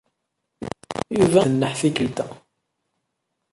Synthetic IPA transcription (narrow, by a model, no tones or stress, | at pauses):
juvæənːəħθikəlt̪æ